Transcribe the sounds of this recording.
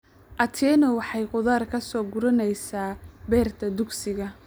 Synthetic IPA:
ʔɐt̪ʰɛːnɔwɑħɑjqʊðaːrkʰɐsɔːɡʊɾɐnɛjsaːbɛːrt̪ʰɐd̪ʊɡsɪɣɐ

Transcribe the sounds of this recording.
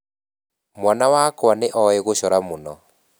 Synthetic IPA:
mwanawakwaneʔɔɛɣoɕɔɾamonɔ

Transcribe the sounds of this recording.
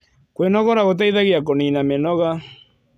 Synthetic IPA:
kwenɔɣɔɾaɣot̪̬ajðaɣiakoninamenɔɣa

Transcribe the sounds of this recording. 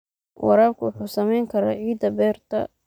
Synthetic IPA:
wɑ̰ɾaːb̚kʰʊwʊħuːsɐmɛjŋkʰɐɾaːʕiːd̪ɐbɛːrt̪ʰɐ̰

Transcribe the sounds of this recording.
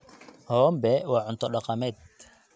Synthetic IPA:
hɔːmbɛwɑːʕʊnt̪ʰɔɖɑqɑmɛːd̪

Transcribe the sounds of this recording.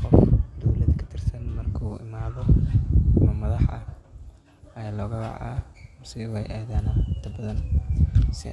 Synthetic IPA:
qɔfd̪ɔwlɐðkʰɐ̥t̪ʰɪrsɐnmɐrkʰuːɪmaːðɔ | mɐmɐðɑħɐ̰ | ɐjaːlɔːɣɐbɑ̰ʕa̰ːmʊrsɪuɛjʔaːðaːnaɪnt̪ʰɐbɐðɐn | sɪ̰

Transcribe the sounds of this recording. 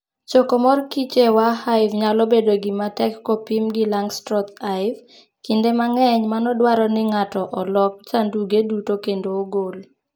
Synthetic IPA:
t͡ʃɔkɔmɔrkit͡ʃewahaɪvɲalɔbedoɡɪmatɛkːɔpimɡɪlaŋstɾɔt̪aɪv | kindemaŋɛɲmanɔdwaɾɔnɪŋatɔʔɔlɔk̚t͡ʃanduɡedutokendoːɡol

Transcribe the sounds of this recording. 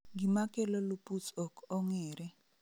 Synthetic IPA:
ŋɡimakʼɛlɔlupʼut͡sʼɔkʼɔŋɛːɾɛ

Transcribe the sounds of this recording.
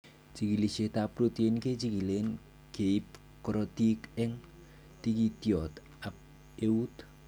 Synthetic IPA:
t͡ʃiɡiliset̪apɾut̪ienked͡ʒiɡilen | ɡ̥eip̚ | kɾɔt̪ikɪŋ | t̪ikit̪iɔt̪ | ap̚ | eut̪

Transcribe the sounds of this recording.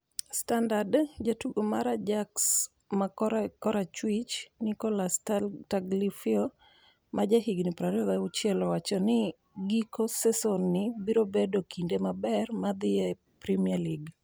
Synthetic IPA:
standadd͡ʒatuɡomaɾad͡ʒaks | makɔɾat͡ʃwit͡ʃnikɔlastataɡlifio | mʔad͡ʒaɦiɡnɪpɾaɾɔdaʊt͡ʃjɛlɔwat͡ʃɔnɪ | ɡikosɛsɔnːɪbiɾobedokindemabɛrmad̪ɪɛ | pɾimialiɡ

